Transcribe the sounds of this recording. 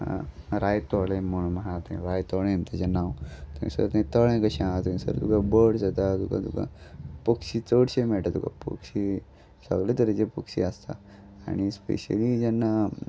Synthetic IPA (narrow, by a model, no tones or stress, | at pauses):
a̰ɾajt̪ɔlẽmoɽ̃maat̪ãɾajt̪ɔɭẽmt̪at͡ɕanawt̪aḭ̃sud̪at̪ãĩt̪əɭẽkəɕiãt̪əĩsə̰ɾt̪ukabəɽsət̪at̪uka̰t̪uka̰pəkɕiːt͡səɽɕemɛɭʈat̪uka̰pə̰kɕi | sə̰ɡlẽt̪əɾd͡ʑepəkɕiəst̪a̰ | a̰ñispḛɕə̰lid͡ʑɛnːa